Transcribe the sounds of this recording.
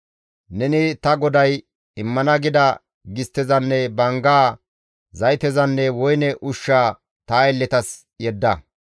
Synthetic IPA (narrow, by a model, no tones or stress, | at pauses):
nɛnɪt̪ɐɡɔd̪ɐj | ɪmːɐnɐɡɪd̪ɐ | ɡɪst̪ːɛzɐnːɛbɐŋɡaː | zɐjt̪ɛzɐnːɛwɔjnɛʔʊʃːaː | t̪aːɛlːɛt̪ɐs | jɛd̪ːɐ